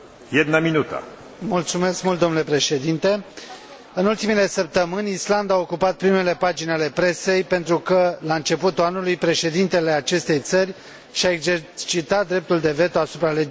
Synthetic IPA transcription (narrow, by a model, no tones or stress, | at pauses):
jed̪naminut̪a̰ | mult̪sume̞skmult̪d̪onule̞pɾe̞ʃe̞d̪int̪e̞ | ɨnult̪imile̞səp̚t̪əmɨnʲisland̪aːokupat̪̚pɾime̞le̞pad͡ʒinʲale̞pɾe̞se̞jpe̞nt̪ɾukəlaɨnt͡ʃe̞put̪uanulujpɾe̞ʃe̞d̪int̪e̞le̞at͡ʃe̞st̪e̞jt̪sərʲ | ʃae̞ɡzert͡ʃit̪at̪̚d̪ːɾe̞p̚t̪uld̪e̞ve̞t̪uasupɾale̞